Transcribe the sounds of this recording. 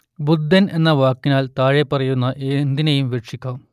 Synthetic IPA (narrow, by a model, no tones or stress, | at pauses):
bud̪ʱːɐnʔe̞nːɐʋaːkːinaːlt̪aːɻepːɐrɐjunːɐʔend̪inɐjumʋeʈʂikʲːaːm